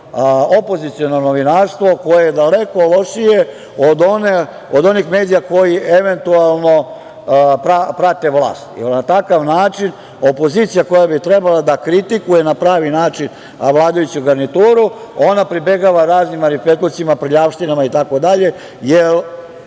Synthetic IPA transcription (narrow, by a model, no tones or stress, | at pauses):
opo̞zit̪sio̞nonoʋinaɾst̪ʋo̞ko̞jejed̪aleko̞lo̞ʂije | od̪one | od̪o̞nixmeːd̪ijako̞jieʋe̞nt̪ualˠno̞ | pɾapɾat̪e̞ʋlˠa̰ːst̪jḛlnat̪akaʋnaːt͡ʃin | o̞po̞ziːt̪sijako̞jabit̪ɾe̞balad̪akɾit̪ikuje̞napɾaːʋinaːt͡ʃin | ʋlˠaːd̪ajut͡ɕuɡaɾnit̪uːɾu | o̞napɾibe̞ɡaʋaɾaːznimaɾipet̪usiimapɾʎaʋʂt̪inamait̪ako̞d̪aʎe̞ | jel